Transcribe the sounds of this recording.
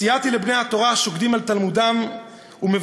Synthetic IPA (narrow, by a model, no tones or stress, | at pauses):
ijat̪ilebnejhat̪o̞ʁaʃoɡd̪imalt̪almud̪am | umev